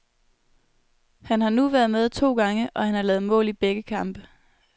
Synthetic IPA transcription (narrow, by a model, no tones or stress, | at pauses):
hænhɑ̈nuʋæɐð̞̩ˠmeð̞ˠt͡sʰo̝̰ːɡ̥ɑ̈ŋəʔɒ̽hænhɑ̈lɛːð̩ˠmɔ̰̽ːlib̥eɡ̥əkʰɑ̈mb̥ə